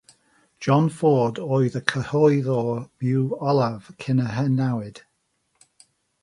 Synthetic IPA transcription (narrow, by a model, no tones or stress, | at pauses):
d̥ʒ̥ɔ̃nfɔːdɔjðəkʰəhɔjðɔb̥juːɔlav̥kʰɪnəɦɛnawɪd̥